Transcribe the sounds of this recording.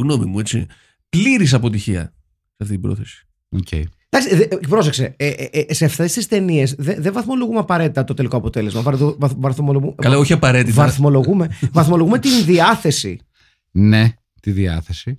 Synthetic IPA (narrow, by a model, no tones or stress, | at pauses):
ɣno̞mimuet͡sḭ | pliɾis̬ɐpo̞t̪̬içiɐ̰ | seɐft̪it̪ibɾo̞̰θesi̥ | ocʰḛid̪ɐksiðepɾo̞s̬ekse̞eseɐft̪e̞st̪ist̪e̞niesðeðevɐθmo̞lo̞ɣumeɐpɐɾe̞t̪it̪ɐt̪o̞t̪e̞liko̞ɐpo̞t̪e̞le̞zmɐvɐðovɐvɐθmoloɣukɐlɐoçiɐpɐɾe̞t̪ivɐθmo̞lo̞ɣume̞vɐθmolo̞ɣumet̪inðiɐθe̞sḭ | ne̞ | t̪iðiɐ̰θesi